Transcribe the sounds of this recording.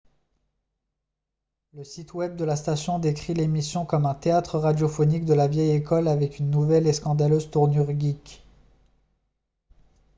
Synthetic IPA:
ləsit̪wɛb̚d̪əlast̪asjɔ̃d̪ekχilemisjɔ̃kɔmɛ̃t̪eat̪χəʁad̪jɔfɔnik̚d̪əlavjɛjekɔlavɛkynːuvɛleskɑ̃d̪aløzt̪uʁnyʁɡʲik

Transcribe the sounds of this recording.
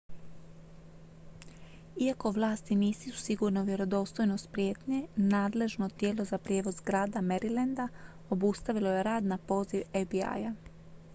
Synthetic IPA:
iako̞ʋlˠaːst̪iniːsiu̥siɡuːɾno̞ʋje̞ɾo̞d̪o̞ːst̪ojnost̪pɾʲje̞ːt̪ɲe̞naːd̪le̞ʒnot̪je̞ːlo̞zapɾjeːʋo̞zɡɾaːd̪ame̞ɾilend̪a | obust̪aʋilo̞je̞ɾaːd̪napo̞ːziʋefbia̰ja

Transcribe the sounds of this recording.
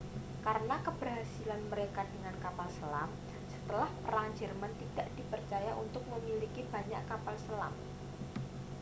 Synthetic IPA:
kaɾənakəb̥ərɦasilanməɾekadəŋankapalsəlam | sə̥t̪əlahpəɾaɲd͡ʒərmant̪id̥aʔd̥i̤pərt͡ʃajaʔunt̪ʊk̚məmilikib̥a̤ɲaʔkapalsəla̰m

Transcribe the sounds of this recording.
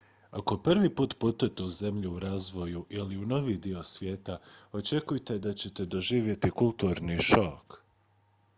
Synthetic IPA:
ako̞pr̩ʋipuːt̪put̪ujt̪e̞uze̞mʎuuɾaːzʋo̞juʔiliuno̞ʋid̪io̞sʋje̞ːt̪ao̞t͡ʃe̞kujt̪e̞d̪at͡ɕe̞t̪e̞d̪o̞ʒiːʋje̞t̪ikulˠt̪uɾniʃo̞k

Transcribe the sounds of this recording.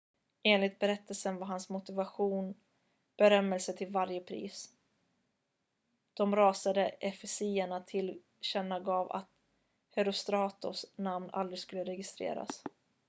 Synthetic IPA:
ʔeːnlɪt̪̚bɛɾɛt̪ːəlsənvaɾɦansmʊt̪ɪvaɧuːn | b̥ɛɾœmːɛlsət̪ʰɪlvaɾjəpʰɾḭːs | d̪̥ɔmɾɑːsad̪əʔɛfɛsiːəɳat̪ʰɪl | ɕɛnːaɡɑːva̰t̪ | hɛɾʊst̪ɾɑːt̪ʊ̰snamna̰ld̪ɾɪɡskɵlːəɾɛɡɪst̪ɾḛːɾa̰s

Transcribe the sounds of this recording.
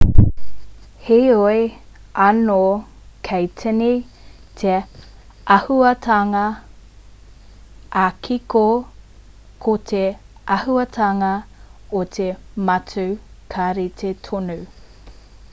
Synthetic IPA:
hejoeɐno | kʰɐjtʰɛni | t̪ʰe | ɐhuɐtʰaŋɐ | akʰiko | kʰotʰeʔɐhuɐtʰaŋɐot̪ʰemɐt͡sʰʉkʰaɾit̪ʰetʰonu

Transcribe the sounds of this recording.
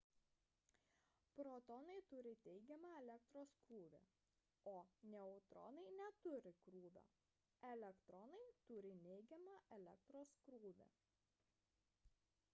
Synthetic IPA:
pɾoːt̪ɔnɐɪt̪ʊɾʲɪt̪ʲɛɪɡʲɛmɑːɛlʲɛk̚t̪ɾoːskɾuːʋʲḛ | oːnʲɛɔʊt̪ɾɔ̰nɐɪnʲɛt̪ʊɾʲɪkɾuːʋʲo̰ | ɛlʲɛkt̪ɾɔnɐɪt̪ʊɾʲɪnʲɛɪɡʲɛmɑʔɛlʲɛk̚t̪ɾoːskɾuːʋʲḛ

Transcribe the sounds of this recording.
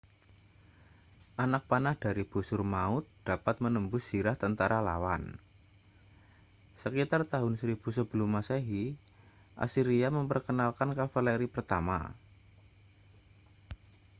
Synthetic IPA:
ʔanak̚panahd̥aɾib̥usʊrmaʊt̪̚d̥apat̪̚mənəmbʊssiɾaht̪ənt̪aɾala̰wa̰n | səkit̪art̪aɦʊnsɾib̥usəbəlumasaɦi | ʔa̰siɾiaməmpərkənalkankafalɛɾipərt̪ama̰

